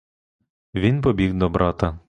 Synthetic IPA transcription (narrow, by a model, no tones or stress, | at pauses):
ʋʲinpɔbʲiɣd̪ɔbɾɑt̪ɐ